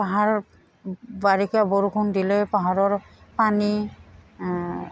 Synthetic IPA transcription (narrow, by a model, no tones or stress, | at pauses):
paɦaɹ | baɹikaboɹukʰundilɛpaɦaɹɔɹpani